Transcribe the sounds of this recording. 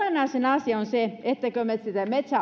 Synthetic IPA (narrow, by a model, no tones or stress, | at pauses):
enɑˑisenɑsiɑonseet̪ːækømet̪sit̪æmet̪sæ